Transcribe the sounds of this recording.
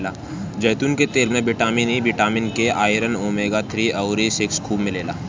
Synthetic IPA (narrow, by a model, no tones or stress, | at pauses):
laː | d͡ʒɐːt̪unket̪eːɾmẽbɪʈaːminibɪʈaːmɪnkeaːɪɾənoːmeːɡat̪ʰɾiːɐʊɾisɪkskʰuːbmɪleːla̰ː